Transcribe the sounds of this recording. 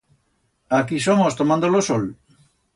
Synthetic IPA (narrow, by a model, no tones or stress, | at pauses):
akisomost̪omãnd̪olosol